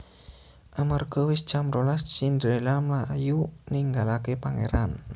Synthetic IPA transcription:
ʔamarɡ̥ɔwɪsd̥d͡ʒ̥amɾolassind̪ɾelamlaʔjuniŋɡalakepaŋḛɾan

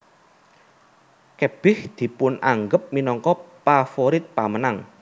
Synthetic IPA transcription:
kəb̥ɪhd̪̥i̤pʊnaŋɡəp̚minɔŋkɔpafoɾɪt̪̚pamənaŋ

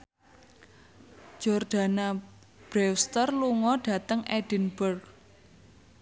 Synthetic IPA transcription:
d͡ʒ̥ɔrɖ̥a̤na | b̥ɾɛwst̪ərluŋɔɖ̥ä̤t̪əŋɛɖ̥inbərɡ

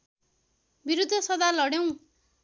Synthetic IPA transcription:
biɾud̪ʱːʌsʌd̪alʌɽjew̃

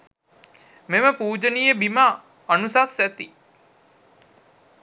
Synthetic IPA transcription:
meməpuːd͡ʒənijebimaː | nusasːæt̪i

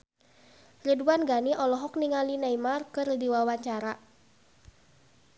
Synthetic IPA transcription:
riduanɡaniʔɔlɔɦɔk̚niŋalinaimarkɨrdiwawaɲt͡ʃaɾa

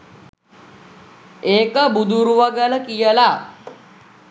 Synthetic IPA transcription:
eːkəbud̪ʱuɾuʋaɡələkijəla

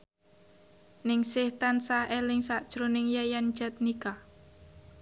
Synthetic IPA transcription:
nɪŋsɪht̪ansahelɪŋsaʔd̥ʒ̥ɾonɪŋjajand͡ʒ̥ɛt̪̚nika

